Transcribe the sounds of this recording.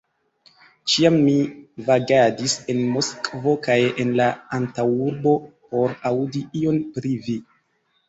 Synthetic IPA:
t͡ʃiamːivaɡadise̞nmoskvo̞kajenlaantawuɾbo̞po̞ɾaudiio̞npɾivi

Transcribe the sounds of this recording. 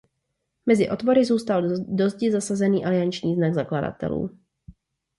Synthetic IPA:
mɛzɪʔo̞t̪vo̞ɾɪzuːst̪aldo̞zɟɪzasazɛniːʔalɪant͡ʃɲiːznaɡzaklada̰t̪ɛ̰lṵː

